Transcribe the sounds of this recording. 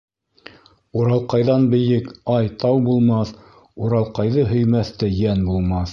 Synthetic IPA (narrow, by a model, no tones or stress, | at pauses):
uɾɑlˠqɑjðɑnbɘ̆jɘkɑjt̪ʰɑwbulˠmɑθ | uɾɑlˠqɑjðɤɦɵ̆jmæθt̪ɘjænbulˠmɑθ